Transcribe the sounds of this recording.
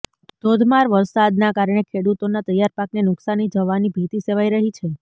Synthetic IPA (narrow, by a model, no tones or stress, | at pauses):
d̪̥ʱod̪ʱmaɾʋəɾsad̪nakaɾɳ̃ekʰeɽut̪onat̪əjːaɾpaknenʊksanid͡ʒəʋanibʱit̪iseʋajɾəɦit͡ʃʰe